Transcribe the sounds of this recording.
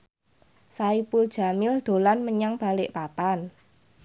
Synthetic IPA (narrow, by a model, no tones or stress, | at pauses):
saipuld̥ʒ̥a̤mɪld̪̥o̤lanməɲaŋb̥a̤lɪʔpapan